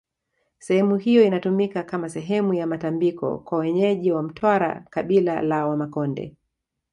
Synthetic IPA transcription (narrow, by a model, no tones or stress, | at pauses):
sɛhɛmuɦijɔinatumikakamasɛɦɛmujamatambikɔ̰kwawɛɲɛʄiwam̩tʰwaɾa̰kaɓila̰lawamakɔndɛ̰